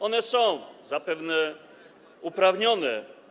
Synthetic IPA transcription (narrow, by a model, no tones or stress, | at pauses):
ɔnɛsɔ̃w̃zapɛvnɛ | upɾavɲɔnɛ